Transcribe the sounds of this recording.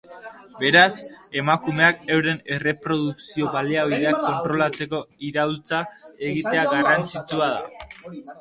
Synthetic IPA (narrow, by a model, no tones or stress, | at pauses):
be̞ɾase̞makume̞akewɾe̞ne̞re̞pɾo̞ðuksio̞βaleaβiðeakːo̞nt̪ɾo̞lat͡se̞ko̞iɾawlt͡sae̞ɣit̪e̞aɣarant͡sit͡suað̞a̰